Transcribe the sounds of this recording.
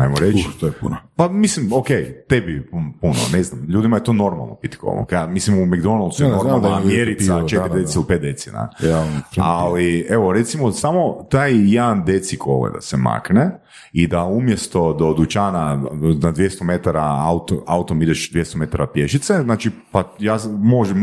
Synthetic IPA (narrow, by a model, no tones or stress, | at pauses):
ajmoɾet͡ʃʃt̪ojpṵnopamislimokejt̪ebippuno̰neznamʎuːd̪imajet̪ono̞ɾma̰lˠno̰pit̪i̥ko̰lo̰kjamislimumeɡd̪onalˠt̪sujenoɾmalnamjeɾit̪sat͡ʃeɾid̪eeilˠipet̪̚d̪et̪sina̰aɾalieʋoɾet̪simosamot̪aːjjed̪and̪et̪siko̰ʋḛd̪a̰sema̰ːkne | id̪aumjest̪o̞d̪o̞d̪ut͡ʃananad̪ʋjest̪omet̪aɾaaut̪o̰aut̪omid̪eʃd̪ʋjest̪ome̞t̪aɾapjeʃit̪seznaːt͡ʃipajaːmo̞ʒɛm